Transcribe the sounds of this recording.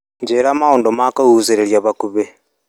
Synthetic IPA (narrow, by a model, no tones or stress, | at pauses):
ɲɟeːɾamahoːndomakahuːzeɾeɾjaβakuβe